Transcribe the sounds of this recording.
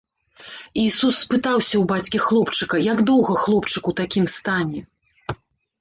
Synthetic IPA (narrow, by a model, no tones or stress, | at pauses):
isusːpɨt̪awsʲɐwbat͡sʲkʲixlˠɔpt͡ʂɨkɐjaɡd̪ɔwɣɐxlˠɔpt͡ʂɨkut̪akʲimst̪anʲɛ